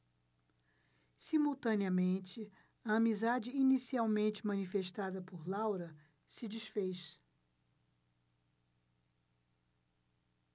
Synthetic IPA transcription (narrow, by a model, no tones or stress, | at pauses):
simuwt̪ɐ̃niɐmẽnt͡ʃɪ | ɐɐmizad͡ʒɪinisiawmẽnt͡ʃɪmɐ̃nifeʃt̪ad̪ɐpoɾlawɾɐ | sɪd͡ʒisfejʃ